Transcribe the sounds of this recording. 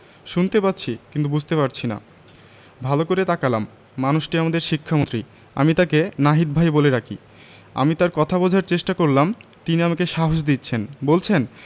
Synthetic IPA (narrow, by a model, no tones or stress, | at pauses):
ʃunt̪epat̪ːɕʰikint̪ubud͡ʑʱt̪epaɾt͡ɕʰina̰ | bʱalokoɾet̪akalamː | anuʃʈiamad̪eɾʃikʰːamõnt̪ɾi | a̰mit̪akenaɦit̪̚bʱajboleɾakʰḭ | a̰mit̪aɾkɔt̪ʰabɔd͡ʑʱaɾt͡ɕeʃʈakoɾlamt̪iniamakeʃaɦod͡ʑd̪it̪ːɕʰenbolt͡ɕʰen